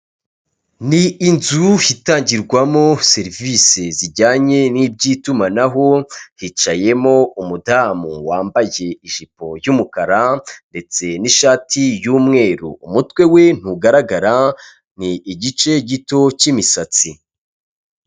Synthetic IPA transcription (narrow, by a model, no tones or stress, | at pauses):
niːnzuhitaːɲɟiɾɡwamo̞se̞ɾviseziɾɟaːɲe̞niːb̚ɟiːtumanaɦo̞hit͡ʃaje̞mo̞umudaːmuwaːmbaje̞iʒipo̞jumukaɾande̞t͡se̞niʃaːtijuːmŋe̞ːɾṵːmutwe̞we̞n̥uɡaɾaɡaɾa | niːɟit͡ʃe̞ɟito̞cimisat͡si